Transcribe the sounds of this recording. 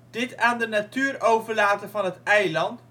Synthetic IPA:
d̥ɪtaːndənatyːɾowvəɹlaːtəvɑnɦətɛjlɑnt

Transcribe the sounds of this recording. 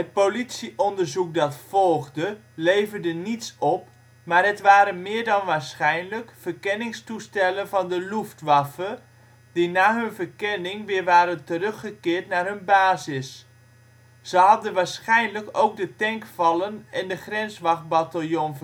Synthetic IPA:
ɦət̚politsiʔɔndərzuk̚dɑtfɔlˠɣdə | lejvərdənitsɔp | marɦətʋaːɾənmɪːɹdɑnʋaːɹsχɛjnləkfərkɛnɪŋstustɛlənvɑndəluftʋafə | dinaːɦɵnvərkɛnɪŋʋɪːɹʋaːɾəntərøxəkɪːɹtnarɦɵnbaːzɪs | z̥əɦɑdənʋaːɹsχɛjnləkowk̚dətɛŋkfɑlˠənɛndəχrɛnsʋɑxbatalˠjon

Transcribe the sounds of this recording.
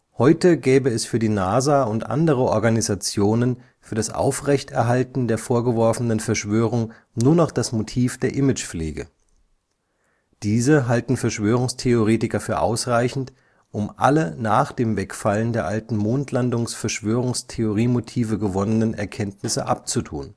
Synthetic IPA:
hɔʏtəɡɛːbəɛsfyːɐdiːnaːzaːʊntʔa̰ndəʁ̞əʔɔɐɡanizat͡sjoːnən | fyːɐdasʔa̰ʊfʁ̥ɛçtɛɐɦaltn̩deːɐfoːɐɡəvɔɐfənənfɛɐʃv̥øːʁ̞ʊŋ | nuːɐnɔχd̥asmotʰiːfd̥eːɐʔɪmɪt͡ʃfleːɡə̰ | d̥iːzəɦaltn̩fɛɐʃv̥øːʁ̞ʊŋstʰeoʁeːtɪkɐfyːɐʔa̰ʊsʁaɪçn̩t | ʔʊmʔa̰lənaːχd̥eːmvɛkfaləndeːɐʔaltn̩moːntʰlandʊŋsfɛɐʃv̥øːʁ̞ʊŋstʰeoʁ̞iːmotʰiːvəɡəvɔnənənʔɛ̰ɐkʰɛntnɪsəʔa̰p̚t͡sutʰṵːn

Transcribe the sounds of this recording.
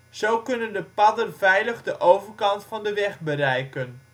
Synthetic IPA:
z̥owkɵnəndəpɑdərvɛjləχdəʔowvərkɑntfɑndəʋɛχbəɾɛjkən

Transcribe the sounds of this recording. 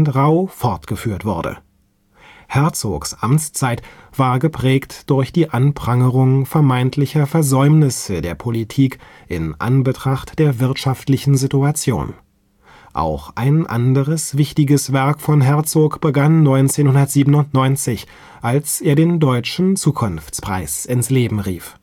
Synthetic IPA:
ntʁaʊfɔʁtɡ̥əfyːɐtv̥ʊɐdə̰ | hɛɐt͡so̰ːksʔamt͡st͡saɪtv̥aːɐɡəpʁ̥ɛːktd̥ʊɐçd̥iːʔanpʁ̥aŋəʁʊŋfɛɐmaɪntʰlɪçɐfɛɐzɔʏmnɪsədeːɐpʰolitʰiːk | ʔɪ̰nʔa̰nbətʁ̥aχtd̥eːɐvɪɐtʃaftlɪçn̩zituat͡sjo̰ːn | ʔa̰ʊxʔa̰ɪnʔa̰ndəʁəsv̥ɪçtɪɡəsv̥ɛɐkfɔnɦɛɐt͡soːkb̥əɡanːɔʏnt͡seːnhʊndɐtz̥iːbənʊntnɔʏnt͡sɪç | ʔalsʔeːɐɾeːndɔʏt͡ʃn̩t͡suːkʰʊnft͡spʁ̥a̰ɪsɪnsleːbm̩ʁḭːf

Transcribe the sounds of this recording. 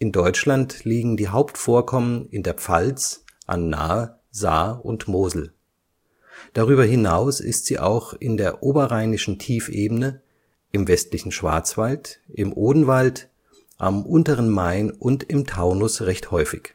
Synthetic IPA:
ʔɪndɔʏt͡ʃlantliːɡŋ̩diːɦaʊptfoːɐkʰɔmənɪndeːɐp͡fa̰lt͡sʔa̰nːa̰ː | za̰ːʊ̰ntmoːzl̩ | d̥aʁ̞yːbɐɦɪnaʊsɪ̰stz̥iːʔa̰ʊxʔɪndeːɐʔoːbɐʁaɪnɪʃn̩tʰiːfʔeːbn̩ə | ʔɪmvɛstlɪçn̩ʃv̥a̰ɐt͡sv̥altʔɪmʔoːdn̩valt | ʔa̰mʔʊntəʁənmaɪnʔʊntɪmtʰaʊnʊsʁɛçthɔʏfɪç

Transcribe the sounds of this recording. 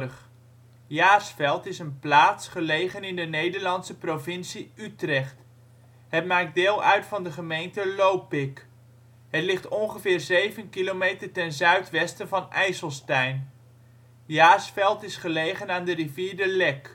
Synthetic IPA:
χ | jaːsfɛlˠtɪsənplaːtsχəlejχənɪndənejdəɹlɑnsəprovɪnsiytrɛχt | ɦətmaːk̚dɪːlˠœɥtfɑndəχəmejntəlowpɪk | ɦətlɪχtɔnχəvɪːɹzejvənkilomejtəɹtɛnzœɥtʋɛstənvɑnɛjsəlˠstɛjn | jaːsfɛlˠtɪsχəlejχənaːndəriviːɹdəlɛk

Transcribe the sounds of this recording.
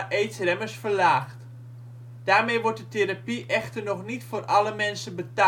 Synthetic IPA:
ʔeːtsrɛməsfərlaːxt | d̥aːrmejʋɔɹt̚dəteɾapiʔɛxtərnɔxnitfoːrʔɑləmɛnsəbəta

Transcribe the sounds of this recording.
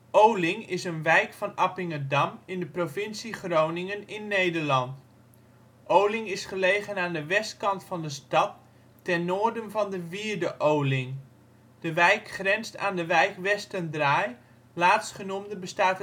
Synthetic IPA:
ʔowlɪŋɪsənʋɛjkfɑnapɪŋədɑmɪndəprovɪnsiχrownɪŋənɪnːejdəɹlɑnt | ʔowlɪŋɪsχəlejχənaːndəʋɛst̚kɑntfɑndəstɑtː | ɛnːoːɹdənvɑndəviːɹdəʔowlɪŋ | d̥əʋɛjkχrɛnsta̰ːndəʋɛjkʋɛstəndraːj | laːtstχənumdəbəstaːtə

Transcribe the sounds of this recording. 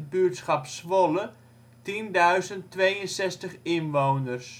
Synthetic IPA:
bytsχɑpsʋolə | tindœɥzəntʋeːjənsɛstəχɪnʋownərs

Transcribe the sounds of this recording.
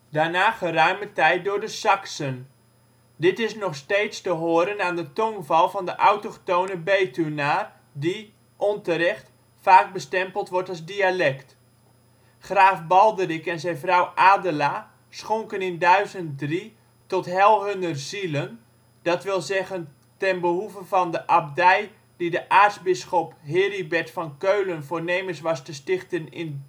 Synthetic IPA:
daːnaːχərœɥmətɛjt̚dʊːɹdəsɑksən | dɪtɪsnɔχsteːtstəɦoːəɾənaːndətɔŋvɑlˠvɑndəʔawtoχtownəbejtunaːr | di | ʔɔntəɾɛχt | faːk̚bəstɛmpəlˠtʋɔrtɑlˠzdialɛkt | χraːfbɑlˠdərikɛnzɛnvrɔwʔaːdəla | sχoŋkənɪndœɥzənt̚dri | tɔtɦɛlˠɦɵnərzilən | d̥ɑtʋɪlˠzɛɣən | tɛnbəɦuvəvɑndəʔab̚dɛj | didəʔaːrtzbɪsχɔpɦɪːribɛtfɑnkøɥlənvoːrneːməsʋɑstəstɪχtənɪn

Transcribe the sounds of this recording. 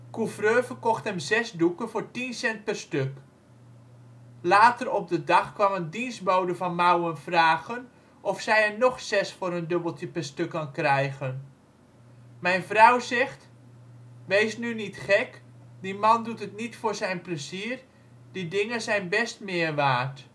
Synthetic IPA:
kufrøːvərkɔxthɛmzɛsdukənvʊːɹtinsɛnt̚pɛrstøk | laːtərɔp̚dədɑxkʋɑməndinsbowdəvɑnmawənvraːɣən | ʔɔfsɛjɛmnɔχsɛsfʊːɾəndøbəlˠtjəpɛrstøkːankrɛjɣən | mɛjnfrɑwzɛxt | ʋejsnynitχɛkdimɑndutətnitfʊːɹzɛjnpləziər | didɪŋəzɛjnbɛstmɪːəɹʋaːrt

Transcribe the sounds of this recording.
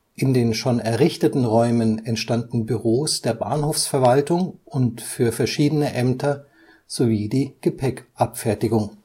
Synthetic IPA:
ʔɪndeːnʃoːnɛɐʁɪçtətn̩ʁɔʏmənɛntʃtandn̩byʁoːsd̥eːɐba̰ɐnhoːfsfɛɐvaltʊŋʔʊntfyːɐfɛɐʃiːdənəʔɛmtʰɐ | z̥oviːdiːɡ̥əpʰɛkʔapfɛɐtɪɡʊŋ

